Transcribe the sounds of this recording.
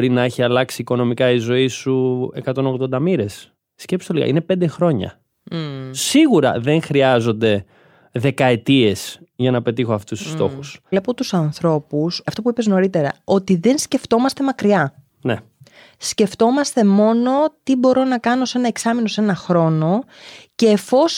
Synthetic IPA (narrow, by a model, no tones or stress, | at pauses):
ɾinɐeçiɐlɐksiːko̞no̞mikɐizo̞isue̞̰kɐt̪o̞no̞ɣðo̞nd̪ɐmiɾe̞sː | cepist̪oliɣɐ̰ine̞pend̪e̞xɾo̞ɲɐ̰ | siɣuɾɐ̰ðe̞ŋxɾiɐzo̞nd̪e̞ | ðe̞kɐe̞t̪ie̞sʝɐnɐpe̞t̪ixo̞ɐft̪ust̪u̥st̪o̞̰xusle̞po̞t̪usɐnθɾo̞pusɐft̪o̞puipe̞zno̞ɾit̪e̞ɾɐ̰o̞t̪iðe̞nsce̞ft̪o̞mɐst̪e̞mɐkɾiɐ | ne | sce̞ft̪o̞mɐst̪e̞mo̞no̞t̪ibo̞ɾo̞nɐkɐno̞se̞nɐeksɐmino̞se̞nɐxɾo̞no̞ce̞ːfo̞s